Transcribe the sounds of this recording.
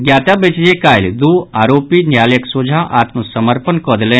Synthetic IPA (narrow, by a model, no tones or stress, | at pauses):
ɡjaːt̪abeːt͡ʃd͡ʒekaːɪld̪uaːɾoːpinjaːljəksoːd͡ʒʱãʔaːt̪məsɐməɾpənkɔːd̪lẽː